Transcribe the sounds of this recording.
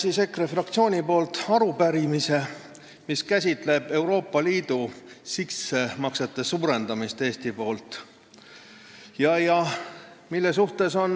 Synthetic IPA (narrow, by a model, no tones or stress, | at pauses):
sisekrefrɑk̚t̪sio̞ːnʲipo̞ːlt̪ɑɾupæɾimise̞ | miskæsʲit̪ˑle̞b̥e̞uɾo̞ːpːˑɑliːd̪̥usise̞mɑkset̪ːˑe̞suːɾe̞nd̪̥ɑmist̪eːst̪ipo̞ːlt̪ˑ | jɑjɑ | milːes̬uht̪e̞so̞n